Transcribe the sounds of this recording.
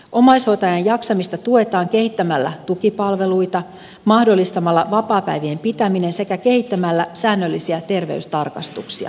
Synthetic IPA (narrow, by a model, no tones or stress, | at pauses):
ʔo̞mɑjso̞t̪ɑjɑjjɑksɑmist̪ɑt̪ue̞t̪ɑːŋke̞hit̪ːæmælːæ̰t̪ukipɑlʋe̞lujt̪ɑ | mɑhdo̞lːist̪ɑmɑlːɑʋɑpɑːpæ̰jʋiempit̪æmine̞nse̞kæke̞hit̪ːæmælːæsæːnːølːisiæt̪e̞rʋe̞̰yst̪ɑrkɑst̪uksiɑ̰